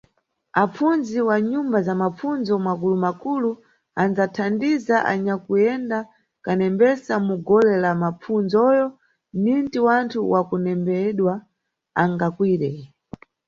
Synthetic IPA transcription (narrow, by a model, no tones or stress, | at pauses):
ap͡funziwaɲumbazamap͡funzɔmwakulumakulu | and͡zatʰandizaʔa̰ɲakujɛnda | kanɛmbɛsamuɡɔlɛlamap͡funzɔjɔ | nintiwantʰuwʔakunɛmbɛɗwa | aŋɡakwiːɾɛ